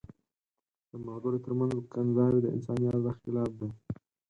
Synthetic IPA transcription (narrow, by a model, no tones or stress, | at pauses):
d̪̥əmaɡaɾot̪əɾmanzkanzɑɾed̪əɪ̰nsɑnjɑt̪d̪axɪlɑf̚d̪a